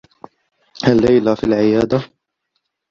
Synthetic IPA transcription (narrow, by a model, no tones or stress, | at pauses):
halːajlafilʕɪjaːd̪a